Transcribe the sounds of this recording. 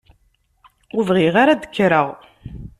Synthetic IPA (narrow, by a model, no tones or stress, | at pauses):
uvʁiʁaɾad̪ə̥kːɾəʁ